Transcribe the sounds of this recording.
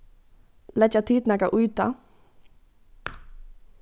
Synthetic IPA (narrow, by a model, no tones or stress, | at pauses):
lɛt͡ʃat̪ʰiːt̪naːkaʔʊjt̪a̰